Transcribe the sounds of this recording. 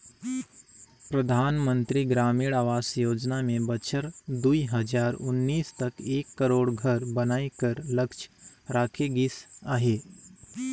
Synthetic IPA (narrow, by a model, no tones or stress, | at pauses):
pɾəd̪ʱaːnmə̃nt̪ɾiɡɾaːmiːɽaːʋaːsjoːd͡ʒnamẽbət͡ʃʰəɾd̪uiɦəd͡ʒaːɾʊnːiːst̪ɐkeːkːəɾoːɽɡʱəɾbənaːekəɾləkt͡ʃɾaːkʰeɡɪsaɦe